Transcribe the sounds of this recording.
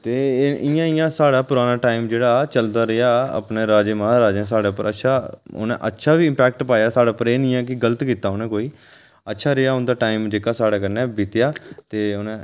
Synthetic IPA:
t̪eːɪjãːɪjãːsaːɽaːpʊɾaːnaːʈaːimd͡ʒeːɽaːt͡ʃəld̪aːɾɪaːə̰pneːɾaːd͡ʒeːmãːɾaːd͡ʒẽːs̬aːɽeːpəɾə̰tːʃʰaːʊ̰nḛ̃ʔə̰tːʃʰaːʋiːɪ̃mpɛːk̚ʈpaːjaːsaːɽaːpəɾeːnɪ̃ːãːkɪɡələt̪kiːt̪aːʊnẽːkoːiː | ətːʃʰaːɾɪaːʊnd̪aːʈaːɪmd͡ʒeːkaːsaːɽaːkəɾnɛːbɪt̪ɪjaːt̪eːʊnẽː

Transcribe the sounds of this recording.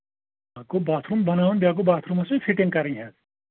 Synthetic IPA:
akobaːt̪ʰɾumbɐnaːʋunb̪jaːɡ̬obaːt̪ʰɾumasefʰiʈɪ̃ŋɡkɐɾɐɦĩɦɛ̃ː

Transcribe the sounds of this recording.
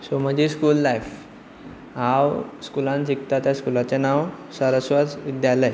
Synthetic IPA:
soməd͡ʑiskuːlːajf | ɦãwskulãnt͡sik̚t̪at̪jaskulat͡senawsəɾəsʋət͡sʋid̪jaləj

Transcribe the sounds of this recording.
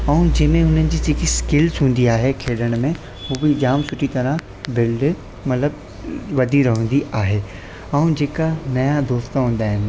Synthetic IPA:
ɐ̃ũd͡ʑɐːmẽɦʊnənɪ̆d͡ʑiːt͡ɕikiskɪlzɦũːn̆d̪iaːɦekʰeːɗəɽ̃mẽ | ɦuːbɪd͡ʑaːmsʊʈʰit̪ɐɾə̃ | bɪlɖ | mɐt̪ləb | ʋɐd̪ʱiɾɐɦũːn̆d̪iʔaːɦeː | ɛũd͡ʑeːkanɐjad̪oːst̪aɦũːn̆d̪aːɦɪnɪ̆

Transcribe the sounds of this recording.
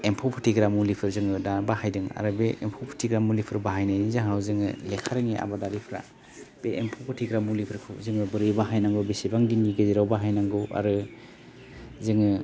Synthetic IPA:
empʰɔwpʰɯtʰiɡɾamulipʰɯɾzɯŋɯdabahajdɯŋa̰ɾɯbeʔempʰopʰɯ̥tʰiɡɾamulipʰɯɾbaɦajnajnizaŋɦawzɯŋɯ̰lekʰaɾɯŋiʔa̰badaɾipʰɾa̰ | b̥eʔempʰopʰɯtʰiɡɾamulipʰɯɾkʰɯzɯŋɯbɯɾɯjbaɦajnaŋɡɯwbisibaŋdiniɡɯziɾawbaɦajnaŋɡɯa̰ɾɯ | zɯŋɯ

